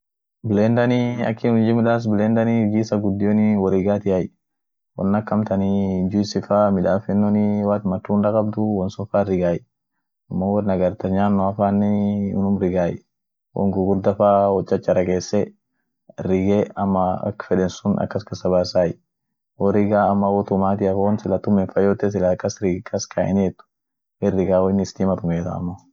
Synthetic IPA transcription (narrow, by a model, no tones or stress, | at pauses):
bɪlɛnd̪ɐniɐ̰kːɪːnʊnd͡ʒɪmɪᶑaːs̬bɪlɛnd̪ɐniɡiːsɐɡʊd̪ːɪjɔniwɔɾiɡaːt̪ɪjaj | wɔ̰nːɐkːɐmt̪ɐnid͡ʒʊɪsɪfaːmɪᶑaːfɛnːɔniwaːt̪mɐt̪ːuːndɐkʼɐb̚d̪ʊwɔnsʊfaːɾɪɡaːj | ɐmːowɔnɐɡɐɾt̪ɐɲaːnːɔɐfaːnːɛʊnʊmɾɪɡaːj | wʔɔ̰ŋɡʊɡʊɾd̪ɐfaːwɔt͡ʃʼːɐt͡ʃːɐɾɐkʼeːsːɛ | rɪɡɛɐmːɐɐ̰kfɛᶑɛnsʊnɐ̰kːɐskɐsɐbaːsaːjɪ | wɔɾɪɡaːɐmːɐwɔt̪ʊmaːt̪̬ɪɐfɐwɔnsɪlɐt̪ʊmɛnfɐjoːt̪ɛs̬ɪlɐkːɐsɾɪɡkʼːɐskʰaʔɪ̰net̪ːʊ̥ | ɛrːɪɡaːwɔɪnɪst̪imɐt̪ʊmeːt̪a̰ɐ̰mːɐ